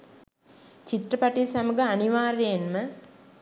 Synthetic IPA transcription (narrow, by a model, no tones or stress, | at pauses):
t͡ʃit̪rəpaʈisaməɡəaniʋaːɾejenmə